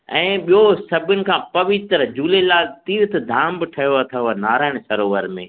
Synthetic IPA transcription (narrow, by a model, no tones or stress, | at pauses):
ɛ̃ːɓijosɐbʱʊnɪ̆kʰãːpɐʋɪt̪ɾəd͡ʑuːlelaːt̪iːɾt̪ʰd̪ʱaːmbɪʈʰɐjoɐt̪ʰanaːɾaːɪɽ̃sɐɾoːʋəɾmḛ̃ː